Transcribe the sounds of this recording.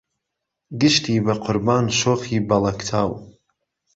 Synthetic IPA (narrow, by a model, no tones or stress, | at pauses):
ɡɨʃt̪iːbɐqʰʊɾbaːnʃoːxiːbɐlˠɐkt̪ʰaːw